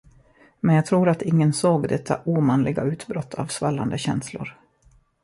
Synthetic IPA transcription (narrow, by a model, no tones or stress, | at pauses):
mɛnjɑɡt̪ʰɾuːɾat̪ɪŋːənsoːɡd̪ɛt̪ʰːa̰ʔuːmanlɪɡaʉ̟ːt̪bɾɔt̪ʰːa̰ːvsvalːa̰nd̪əɕɛnslʊ̰ɾ